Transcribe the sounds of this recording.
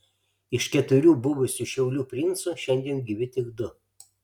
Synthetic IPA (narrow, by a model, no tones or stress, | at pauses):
ɪʃkʲɛt̪ʊɾʲuːbʊʋʊsʲuʃʲɛʊlʲuːpʲɾʲɪnt̪suʃʲɛnʲd̪ʲiɛnɡʲiʋʲɪt̪ʲɪɡd̪ʊ